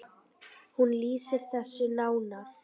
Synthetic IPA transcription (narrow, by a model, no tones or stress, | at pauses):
hunliːsɪɾ̥θɛsːʏnaːwnaf